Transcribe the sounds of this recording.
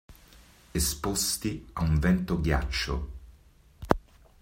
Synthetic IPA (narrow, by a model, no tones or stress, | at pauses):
espost̪iauɱvɛnt̪oɡja̰t͡ʃːo̰